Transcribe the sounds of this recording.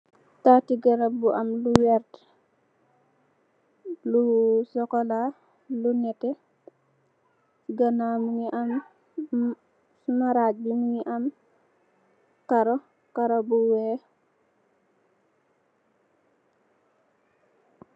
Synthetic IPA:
tatiɡaɾabuʔamluwɛɾt | lusɔkɔla | lunɛtɛ | ɡanamuŋiʔam | maɾabimuŋiʔam | kaɾɔ | kaɾobuwɛ

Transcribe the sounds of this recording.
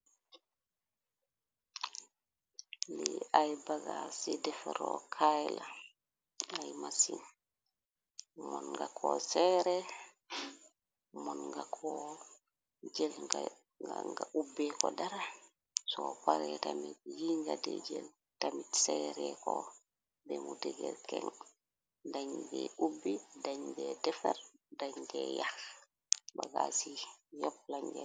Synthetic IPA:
lɛajbaɡasɛdɛfɾɔkʰajla | ajmasin | mɔnŋɡakʰɔsɛɾɛ | mɔnŋɡakʰɔ | d͡ʒɛla | ɡaŋɡaubɛkɔdaɾa | sɔpaɾɛtamitjiŋɡadɛd͡ʒɛl | tamitsɛɾɛkɔ | bɛmudɛɡɛlkɛŋ | daɲbɛubːidaɲbɛdɛfɛɾdaɲɡɛjax | baɡasijɔb̚laɲɡɛ

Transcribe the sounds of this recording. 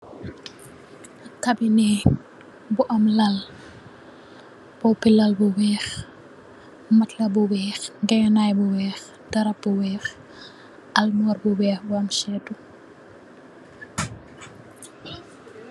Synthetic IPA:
ɐkːɐbinɛ | buʔɐmlɐl | b̥ɔpilɐlbuwɛːx | mɐtlɐbuwɛːxŋɡɛjɐnaːjbuwɛːx | dɐɾɐp̚buwɛːx | ʔɐlmɔːrbuwɛːxbuɐmʃɛːtu

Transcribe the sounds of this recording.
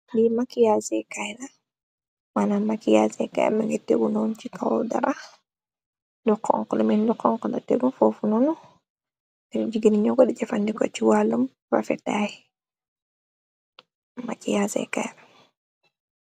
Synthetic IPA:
dimakijasɛkajna | wanamakijasɛ̰ka̰jmɛŋɡetːḛɡunɔnt͡ʃikawda̰ɾʔa | dukːɔ̰ŋkɔlɛmindukːɔŋkɔna̰tḛɡunfofunɔnu | ɛnd͡ʒiɡiniɲɔɡɔɗɛd͡ʒɛfandikɔ̰t͡ʃiwalːum | ɾa̰fɛ̰tai | ma̰kijasɛ̰ka̰jna

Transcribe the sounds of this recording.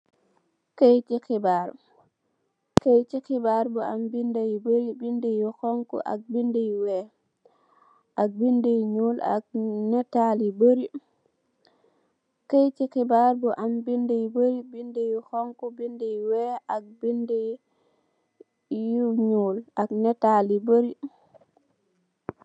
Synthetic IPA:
kejtikibaɾ | kejt͡ʃixibaɾbuambindejbəɾibindejuxoŋkṵʔa̰k̚bindejwɛ | ʔak̚bindejɲuːla̰k̚nɛtaliboɾi | kajt͡ʃikibaɾbɔʔambindejboɾibindejuxoŋkubindejwɛʔak̚binde | juɲuːlaknɛtaliboɾi

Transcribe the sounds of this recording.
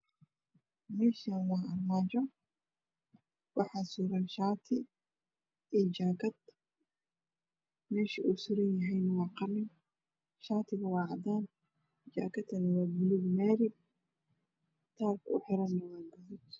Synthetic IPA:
mɛːʃanwɑːɐrmaːt͡ʃɔ | wɑħɑːsuːɾɐnʃaːt̪ʰɪ | ɛt͡ʃaːkʰɐd̪ | mɛːʃiʔusʊɾɐnjɐɦɛjnɐwɑːqɑrɪŋ | ʃaːt̪ʰɪɣɐwɑːʕɑd̪aːn | d͡ʒaːkʰɐt̪ʰːɐnɐwɑːbɪluɡmaːɾɪ | t̪ʰaːrkʰʊ̰ħɪɾɐnːɐwaːɡɐðʊt̪

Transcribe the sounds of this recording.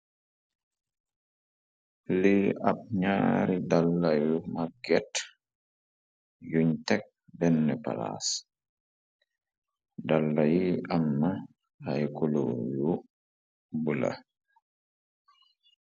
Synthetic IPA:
liʔa̰ɓ̚ɲa̰ːɾidalːajumaɡɛt | juɲtɛk̚bɛnːɛpa̰la̰s | dalːajiamːa | hajkulo̰ju | bula̰

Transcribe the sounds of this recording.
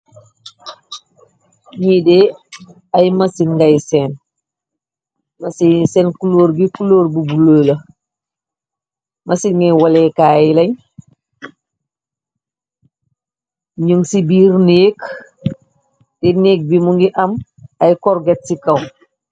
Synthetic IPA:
ɲidɛ | ɐjmɐsinŋɡɐjsɛːn | mɐsisɛːnkuloːɾɡikuloːrbubuləːlɐ | mɐsinŋɡɐjwalɛːkaːjilɐɲ | ɲuŋsibiːɾneːk | dɛneːk̚bimuŋɡiʔɐm | ɐjkɔɾɡɛt̚sikɐw

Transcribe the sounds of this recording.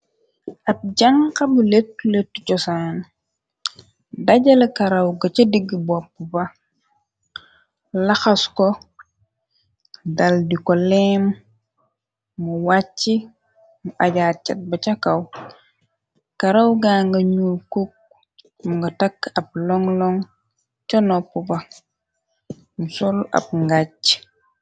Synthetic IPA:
ʔɐp̚ɟɐŋkɐbuletːuletːucɔsan | dɐɟɐlɐkɐɾɐwɡɐt͡ʃɐdiɡːibɔpːubɐ | lɐxɐskɔ | dɐldikɔlɛm | uwat͡ʃːi | muʔɐɟaːt̚t͡ʃɐt̚bɐt͡ʃɐkɐw | kɐɾɐwɡaŋɡɐɲulkuk̚ | muŋɡɐtɐkːɐp̚lɔŋlɔŋ | t͡ʃɔnɔpːubɐ | musɔlɐ̰p̚ŋɡac

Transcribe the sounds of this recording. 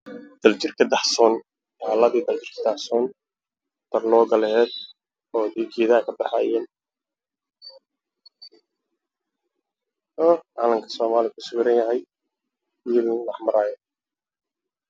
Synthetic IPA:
d̪̥ɐlt͡ʃɪrkʰɐd̪ɑħsɔːn | aːlɐðiːd̪ɐlt͡ʃɪrkʰɐd̪ɑħsɔːn | t̪ʰɐrlɔːɡɐlɛhɛːd̪ | ɔːd̪ɪɡiːðaːkʰɐbɑħa̰ːjɛːn | ɔʕaːlɐmkʰɐ̥sɔːmaːlɪkʰʊsʊɡɾɐnjɐɦɛj | wiːllɑħmɐɾaːjɔ

